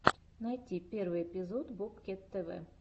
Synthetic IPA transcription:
najtʲipʲervɨjepʲɪzot̪bɔpkʲet̪ːɛvɛ̰

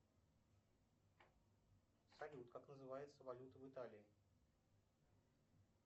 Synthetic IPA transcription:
sɐlʲut̪kaknəzɨvajɪt̪səvɐlʲut̪əvɨt̪alʲɪɪ

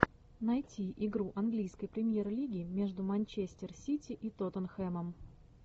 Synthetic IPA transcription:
nɐjtʲiʔɪɡɾuʔɐnɡlʲijskəjpɾʲɪmʲje̞rlʲiɡʲɪmʲe̞ʐd̪ʊmɐnʲt͡ɕesʲt̪ʲɪrsʲitʲɪʔit̪ot̪ənxɛməm

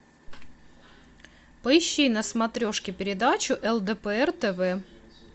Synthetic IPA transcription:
pəɪɕːinɐsmɐt̪ɾʲo̞ʂkʲɪpʲɪɾʲɪd̪at͡ɕʊʔɛlˠd̪ɛpəɛrt̪ɛvɛ

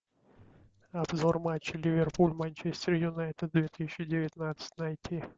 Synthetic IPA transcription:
ɐbzormat͡ɕːɪlʲɪvʲɪrpulʲmanʲt͡ɕesʲt̪ʲɪrjʊnajt̪ɪd̪̚d̪vʲet̪ɨsʲɪt͡ɕːɪdʲɪvʲɪt̪nat̪sə̥tʲnɐjt̪ʲʰi

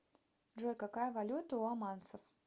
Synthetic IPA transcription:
ʐojʲkakajəvɐlʲut̪əʊamansəf

